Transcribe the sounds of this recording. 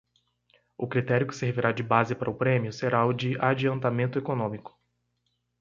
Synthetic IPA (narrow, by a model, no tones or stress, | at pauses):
ʊkɾit̪ɛɾjʊkɪ̥seɾviɾad͡ʒɪbazɪpaɾʔɐʊpɾẽmjʊseɾaʊd͡ʒɪad͡ʒiɐ̃nt̪amẽnt̪ʊekonõmikʊ̥